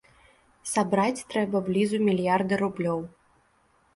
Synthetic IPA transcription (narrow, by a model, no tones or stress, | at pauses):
sabɾat͡sʲt̪ɾɛbɐblʲizumʲilʲjard̪ɨɾublʲɔw